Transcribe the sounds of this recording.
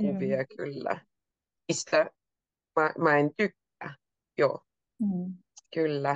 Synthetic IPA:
yʋiækylːæ̰ | ist̪æ | mɑmɑent̪ykː | æ̰ | jo̰ː | kylːæ

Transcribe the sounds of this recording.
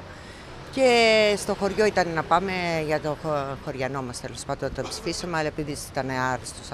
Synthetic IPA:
ce̞st̪o̞xo̞ɾʝo̞it̪ɐnnɐpɐme̞ʝɐt̪o̞xo̞ɾʝɐno̞mɐst̪elo̞spɐd̪ont̪oepsi̥fisɐmeɐlɐepiðisi̥t̪ɐneɐɾist̪os

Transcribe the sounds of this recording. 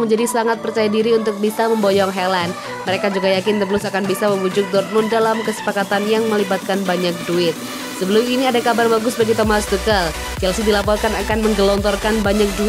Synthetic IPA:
məɲd͡ʒadisəaŋat̪̚pərt͡ʃajadiɾiunt̪ʊk̚bisaməmbɔjɔŋɦɛlan | məɾekad͡ʒuɡajakɪnt̪əbəlʊsakanbisaməmud͡ʒʊk̚d̪ɔrnʊndalamkəsə̥pakat̪anjaŋməlibat̪̚kanbaɲak̚duɪt̪̚ | səbəlʊminiadakabarbaɡʊsbaɡit̪omasd̪ukal | d͡ʒalsidilapɔrkanakanməŋɡəlɔnt̪ɔrkanbaɲak̚du

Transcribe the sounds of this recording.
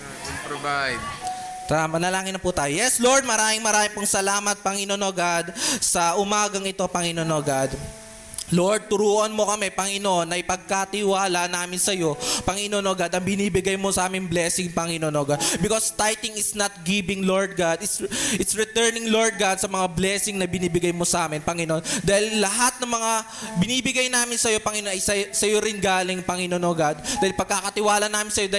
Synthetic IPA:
pɾovajd̪̚ | t̪amɐnɐlaːŋɪnːɐput̪aːjojɛsloɹd̪̚mɐɾaːmɪŋmɐɾaːmɪŋpʊŋsɐlaːmɐt̪̚pɐŋɪnonoɡad̪̚sɐʔʊmaːɡɐŋɪt̪o̞pɐŋɪnonoːɡad̪ | loɹd̪̚t̪ʊɾuːʔɐnmo̞kɐmɛpɐŋɪnoʔo̞nːɐjpɐɡ̚kat̪ɪwaːlɐʔnaːmɪnsɐjo̞pɐŋɪnonoɡad̪ɐŋbɪniːbɪɡajmosɐʔaːmɪŋblɛːsɪŋpɐŋɪnonoːɡad̪̚bɪkost̪ajt̪ɪŋɪsnɐt̪̚ɡibɪŋloɹd̪̚ɡad̪ɪt̪sʔɪt̪sɹɪt̪ɛɹnɪŋloɹd̪̚ɡad̪̚sɐmɐŋablɛːsɪŋnɐbɪniːbɪɡajmosɐʔaːmɪnpɐŋɪnoʔond̪aːhɪlːɐɦat̪̚nɐŋmɐŋa | bɪniːbɪɡajnaːmɪnsɐjo̞pɐŋɪnonɐjsɐsɐjoɾɪnɡaːlɪŋpɐŋɪnonoɡad̪̚d̪aːhɪlpɐɡ̚kaːkɐt̪ɪwaːlɐnaːmɪnsɐjod̪aː

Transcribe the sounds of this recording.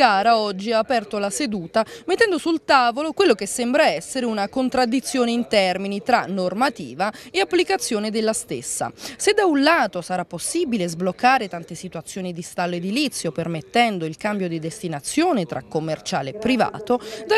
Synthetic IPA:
ɡaːɾaɔd͡ʒːiaːpɛrt̪olased̪uːt̪amet̪ːɛnd̪osult̪aːvolokwelːokesːɛmbɾaɛsːeɾeunakont̪ɾad̪ːit̪sːjoːneint̪ɛrminit̪ɾanormat̪iːvaeapːlikat̪sːjoːned̪elːast̪ḛsːa̰sed̪aunlaːt̪osaɾapːosːibilezblokːaːɾet̪ant̪esit̪wat̪sːjoːnid̪ist̪alːoed̪ilit̪sːjopermet̪ːɛnd̪oilkambjod̪id̪est̪inat̪sːjoːnet̪ɾʔa̰kːomːert͡ʃa̰ːleːpːɾiva̰ːt̪od̪a

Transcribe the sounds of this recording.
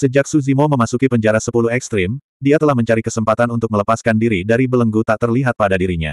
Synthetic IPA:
səd͡ʒak̚suzimoməmasukipəɲd͡ʒaɾasəpuluhɛkst̪ɾɪm | diat̪əlahməɲt͡ʃaɾikəsəmpat̪anunt̪ʊk̚mələpaskandiɾidaɾibələŋɡut̪aʔt̪ərliɦat̪̚padadiɾiɲa̰

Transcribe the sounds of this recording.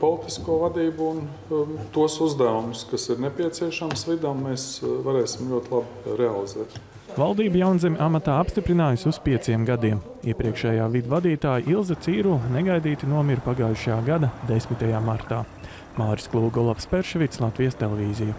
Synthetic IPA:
pɔlˠit̪iskuɔvad̪iːbuun | t̪uɔsuzd̪æumʊskasiɾnepʲiɛt̪siɛʃamsvid̪amːeːsvaɾɛːsʲimlʲuɔt̪lˠab | ɾɛalˠizɛːt̪ | valˠd̪iːbujawnzɛmʲʔamat̪aːapst̪ipɾinaːjsuspiɛt̪siɛmɡad̪iɛm | iɛpɾiɛkʃɛːjaːvid̪vad̪iːt̪aːjiʔilˠzat̪siːɾulnɛɡajd̪iːt̪inuɔmʲiɾpaɡaːjuʃajaːɡad̪ad̪esmit̪ajaːmaɾt̪aː | maːɾi̥sklˠuːɡɔlˠafspɛɾʃɛvʲit̪slˠat̪vijɛst̪elɛvʲiːziju

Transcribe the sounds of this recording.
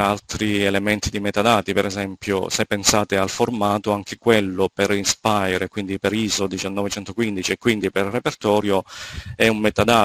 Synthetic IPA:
alt̪ɾielemɛnt̪id̪imɛt̪ad̪aːt̪ipɛɾɛzɛmpjo̰sepːensaːt̪ealformaːt̪oaŋk̟ekwelːopeɾispajɾekwind̪ipeɾiːzod̪it͡ʃanːɔːvet͡ʃɛnt̪okwind̪it͡ʃiekːwind̪iperːepert̪ɔːɾjoɛumːɛt̪ad̪aː

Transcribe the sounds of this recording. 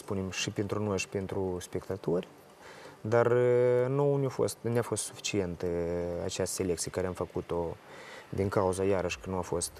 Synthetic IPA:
spunemʃipent̪ɾuno̞jʃi̥pent̪ɾuspe̞kt̪at̪orʲ | d̪arnounʲafo̰st̪nʲafo̞st̪sufi̥t͡ʃient̪a̰t͡ʃeast̪selekt̪sijə̥kaɾeamfəkut̪o̞ | d̪iŋkauzajaɾəʃkənuafo̞st̪

